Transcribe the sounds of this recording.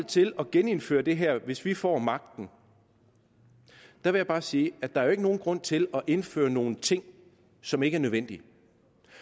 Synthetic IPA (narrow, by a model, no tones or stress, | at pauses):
l̰t͡sʰe̝lɒ̽ɡ̥ene̝nfø̰ːɐd̥e̝ɦæɐ̰ʋe̝sʋifɒ̰ːmɑ̈ɡ̥̚d̥n̩ | d̥ɑ̈ʋe̝jäbɑ̈ːsiːæd̥ɑ̈æɐoe̝ɡ̥əno̝ːn̩ɡ̥ʁɔ̽n̰t͡sʰe̝lɒ̽ʔe̝nfø̰ːɐno̝ːn̩t͡sʰe̝ŋ̰ | sɒ̽me̝ɡ̥əæɐnøðˠen̰d̥i